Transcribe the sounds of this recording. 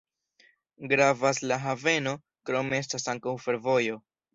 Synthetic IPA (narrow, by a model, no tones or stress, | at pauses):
ɡɾavaslaɦave̞no̞ | kɾo̞me̞e̞s̬tasaŋkawfe̞ɾvo̞jo̞